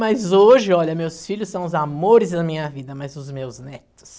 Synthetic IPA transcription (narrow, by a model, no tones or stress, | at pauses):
mɐzoʒɪɔʎɐmewsfiʎʊsːɐ̃w̃ʊzamoɾɪzd̪ɐmĩɲɐvid̪ɐmɐzʊzmewznɛt̪ʊ̥s